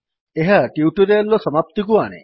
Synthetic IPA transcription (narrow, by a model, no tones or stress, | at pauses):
eɦaʈiwʈuɾealːɔsɔmap̚t̪ikuanḛ